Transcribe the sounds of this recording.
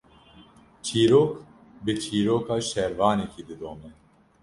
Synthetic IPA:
t͡ʃʰiːɾoːk | bɨt͡ʃʰiːɾoːkʰaːʃɛɾvɑːnɛkid̪ɨd̪oːmɛ

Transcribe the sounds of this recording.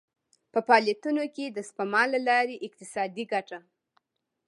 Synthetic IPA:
pəpɑljat̪unoked̪əspamɑlːalɑɾeʔɪq̚t̪ɪsɑd̪iɡaʈa

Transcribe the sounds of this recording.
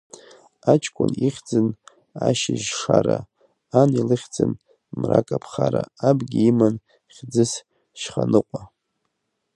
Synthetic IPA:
at͡ʃʰkʷʰʼʊniχʲd͡zɨn | aʃɪʒʂaɾa | anilɨχʲd͡zɨn | mrakʼapʰχaɾaabɡʲiiman | χʲd͡zɨs | ʃχanɨqʷʼa

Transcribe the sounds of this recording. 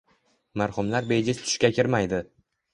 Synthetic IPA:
maɾhʊmlaɾbejd͡ʒʲɪst̪ʰʊ̥ʃkʲakʲɪɾmajd̪ɪ

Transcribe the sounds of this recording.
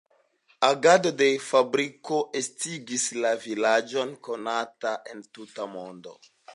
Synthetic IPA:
aɡado̞de̞fabɾiko̞ʔestiɡislavilad͡ʒo̞nko̞nataʔe̞ntutamo̞ndo̞̰

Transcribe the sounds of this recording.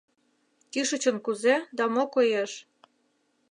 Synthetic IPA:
kyʃə̆t͡ɕə̆nkuzed̪ɑmokojeʃ

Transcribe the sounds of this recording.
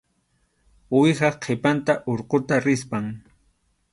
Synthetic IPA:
wɪhɑχqʰepant̪aʔoɾqot̪aɾɪspaŋ

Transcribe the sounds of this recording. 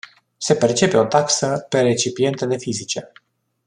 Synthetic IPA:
se̞pe̞rt͡ʃe̞pe̞o̞t̪aksəpe̞ɾe̞t͡ʃipie̞nt̪əd̪e̞fizit͡ʃe

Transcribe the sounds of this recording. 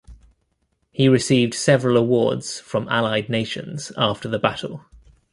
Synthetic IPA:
hiɹɪsiːvd̥sɛvəɹələwɔːdz̥fɹə̃ma̰laɪdⁿneɪʃə̰̃nz̥ɑˑftəðəbatʰˡəl̩ˠ

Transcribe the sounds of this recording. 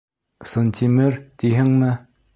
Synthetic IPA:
sont͡ɕʰimərt̪iɦaŋnə

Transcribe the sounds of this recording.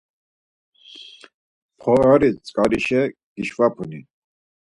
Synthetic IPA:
pʰɔaɾit͡sʼkʼaɾiʃɛ | ɡ̥iʃvapʰuni

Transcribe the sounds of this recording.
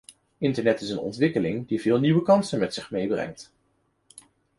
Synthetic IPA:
ɪntəɹnɛtɪsənɔ̰ntʋɪkəlɪŋdivɪːlˠniʋəkɑnsənmɛtsɪχmejbrɛ̰ŋt

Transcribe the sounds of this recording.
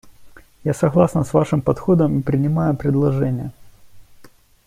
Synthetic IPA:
jasɐɣlˠasnəsvaʂɨmpɐt̪xo̞d̪əmipɾʲɪnʲɪmajʊpɾʲɪd̪lˠɐʐɛnʲɪjə

